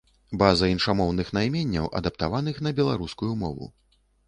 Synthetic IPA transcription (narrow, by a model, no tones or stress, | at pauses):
bazɐinʂamɔwnɨxnajmʲenʲːɐ̰wʔɐ̰d̪apt̪avan̪ɨxn̪ɐbʲɛlˠaɾuskujumɔvṵ